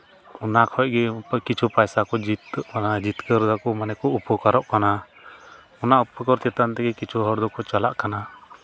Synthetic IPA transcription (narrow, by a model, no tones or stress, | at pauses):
ɔnakʰɔʔ̚ɡɛkit͡ʃʰupajsakɔd͡ʒit̪kanad͡ʒit̪kəɾd̪akɔmanɛkɔupɔkaɾɔʔkana | ɔnaʔupɔkɔɾt͡ʃɛt̪ant̪ɛɡɛkit͡ʃʰuɦɔɾd̪ɔkɔt͡ʃala̰ʔkana